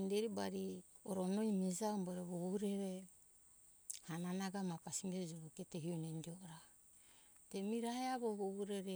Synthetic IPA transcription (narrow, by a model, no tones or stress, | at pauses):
ndeɾibaɾi | oɾonojmizaumboɾeβoβuɾeɾe | hananaɡamapasimed͡ʒoɾoketeɦionendioɾa | temiɾaheaβoβoβuɾeɾe